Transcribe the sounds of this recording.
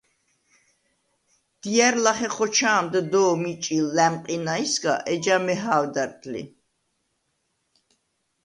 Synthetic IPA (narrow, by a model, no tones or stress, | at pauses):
d̪̥iaɾlaχɛχɔt͡ʃʰaːmd̪d̪ɔːmit͡ʃʼilːɛmqʼinaisɡa̰ʔɛd͡ʒamɛɦaːwd̪aɾt̪ʼlḭ